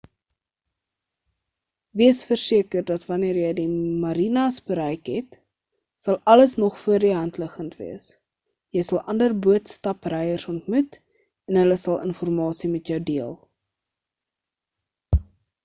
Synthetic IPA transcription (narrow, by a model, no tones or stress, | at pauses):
viəsfərsiəkərdɐtvɐniəɾjəjdimɐɾinɐsbəɾɛjkɦɛt | sɐlˠɐləsnɔχfuərdiɦɐntləχəntvḭəs | jəjsɐlˠʔɐndərbuətstɐprɛjərsɔntmut | ɛnɦələsɐlˠʔə̰nfɔrmɑːsimɛtjœwdiəlˠ